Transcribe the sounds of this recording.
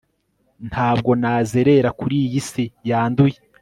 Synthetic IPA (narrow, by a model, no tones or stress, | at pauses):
ntʰaːb̚ɡo̞naːzeɾe̞ɾakuɾiːjisijaːnduje